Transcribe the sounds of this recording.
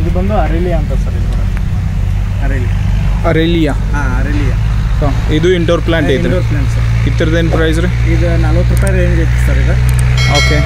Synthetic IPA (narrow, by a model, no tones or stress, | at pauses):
id̪ubɐnd̪uɐɾelijaɐnt̪ɐsɐɾid̪ukuɽɐ | ɐɾelija | ɐɾelija | aɐɾelija | so | id̪uiɳʈɐɾplaːɳʈejt̪ːɐɾɐɾplaːɳʈsɐɾ | it̪ːɐɾɐd̪enpɾɐjzɾe | id̪ɨnaːlʋɐk̪ɾupaːjɾeːŋɡet̪ːɐsɐɾid̪ɐ | oːke